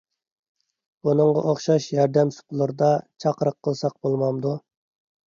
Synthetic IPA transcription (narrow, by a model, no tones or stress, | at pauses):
b̥unɨŋʁɑʔoχʃɑʃjɑɾd̪ɛmsʊ̥qlˠɨɾɨd̪ɑt͡ʃʰɑqəɾəqʰːəlˠsɑq̚bolˠmɑmd̪u